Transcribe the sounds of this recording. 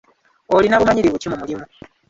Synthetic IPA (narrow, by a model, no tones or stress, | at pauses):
olinaβumaɲiɾiβucimumulimu